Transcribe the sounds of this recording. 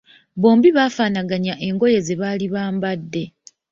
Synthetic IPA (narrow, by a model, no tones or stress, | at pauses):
βo̞ːmbiβaːfaːnaɡaɲaʔe̞ŋɡo̞je̞ze̞βaːliβaːmbadːe̞